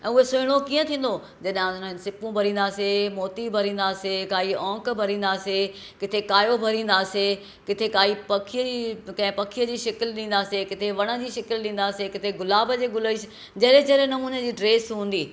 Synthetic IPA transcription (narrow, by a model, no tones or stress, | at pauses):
ɛ̃ːʊɦesʊɦɪɽ̃okiːə̃t̪ʰĩːnd̪o | d͡ʑɐɗɦãʊn̤ənɪ̆sɪpũbʱɐɾĩːnd̪aːsemoːt̪ibʱɐɾĩːn̆d̪aːsekaːiɔ̃ːkbʱɐɾĩːn̆d̪aːse | kɪt̪ʰekaːjobʱɐɾĩːn̆d̪aːse | kɪt̪ʰekaːipɐkʰiəikɐ̃ɦɪ̃pɐkʰijəd͡ʑiːʃɐkɪlɗĩːnd̪aːsekɪt̪ʰeʋɐɽ̃ə̆d͡ʑiːʃɐkɪlɗĩːn̆d̪aːsekɪt̪ʰeɡʊlaːbəd͡ʑeːɡʊləis | d͡ʑɐːɾẽd͡ʑɐɾẽnɐmuːnəd͡ʑiːɖɾeːsɦũːn̆d̪iː